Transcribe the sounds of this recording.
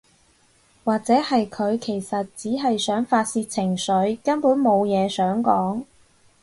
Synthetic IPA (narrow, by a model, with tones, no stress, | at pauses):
waː˨k̚t͡sɛː˨˥hɐ˨jkʰɵ˨˧ɥkʰe˨˩jsɐ˨t̚t͡siː˨˥ɦɐ˨jsœː˨˥ŋfaː˧t̚siː˧t̚t͡sʰɪ˨˩ŋsɵ˨˥ɥkɐ˥npuː˨˥nmo˨˧wjɛː˨˧sœː˨˥ŋkɔː˨˥ŋ